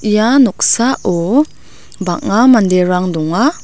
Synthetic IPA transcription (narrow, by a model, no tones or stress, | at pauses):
ijanuk̚saʔɔ | baʔŋamandeɾaŋdɔŋa